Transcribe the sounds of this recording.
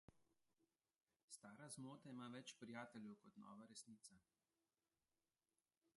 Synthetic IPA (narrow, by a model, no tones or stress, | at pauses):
st̪aːɾazmoːt̪aimaːʋɛt͡ʃpɾijaːt̪ɛlʲjɛwkɔt̪nɔ̰ːʋaɾɛsniːt̪sa